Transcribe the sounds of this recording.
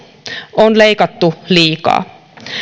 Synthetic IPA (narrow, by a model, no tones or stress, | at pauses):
ʔonlejkɑt̪ːuliːkɑ̰ː